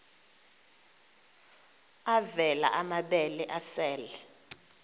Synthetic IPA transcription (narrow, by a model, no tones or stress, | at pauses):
avɛla̰ʔamaɓɛlɛʔasɛːlɛ